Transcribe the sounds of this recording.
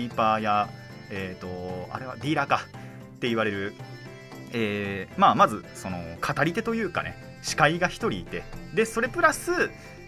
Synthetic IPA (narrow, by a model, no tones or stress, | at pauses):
ipaja | eːt̪o̞a̰ɾe̞βa̰d̪ʲiːɾaka | t̪ːe̞iβaɾe̞ɾɯ̟ | eːmaːmazɨso̞no̞kʰat̪aɾʲit̪e̞t̪o̞jɯ̟ːka̰ne̞̰ | ɕi̥kaiɡaçi̥t̪o̞ɾʲiːt̪e̞d̪e̞so̞ɾe̞pɯ̟ɾasɨ